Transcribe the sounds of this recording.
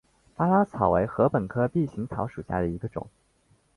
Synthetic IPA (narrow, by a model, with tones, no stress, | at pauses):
pa˥la˥t͡sʰɑ˨˩ʊwe˧˥ɪxɤ˧˥pə˨˩nkʰɤ˥pi˥˩ɕi˧˥ŋt͡s̪ʰɑ˧˥ʊʂu˨˩ɕja̰˥˩d̪ə˩i˧˥ɡə˧ʈ͡ʂʊ̰˨˩˦ŋ